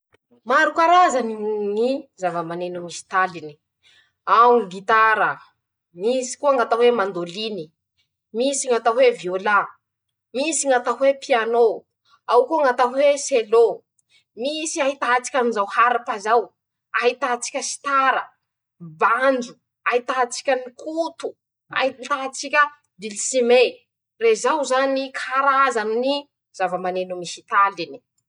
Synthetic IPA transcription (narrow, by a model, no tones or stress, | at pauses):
maɾukaɾazaniŋizavəmanenumisi̥t̪alini̥ | awuɡit̪aɾə | misi̥kuaŋat̪aɦwemand̪olini | misiŋat̪aweviola | misiŋat̪aɦwepiano | awkuaŋɡat̪aɦweselo | misiaɦit̪at͡si̥kʲanizawhaɾapazaw | aɦit̪at͡si̥kʲəsi̥t̪aɾə | band͡ʒu̥ | ait̪at͡si̥kʲənikʰut̪u̥ | a̰it̪at͡sikʲə | d̪ilisime | rezawzanikʰaɾazanini | z̥avamanenumisit̪alini̥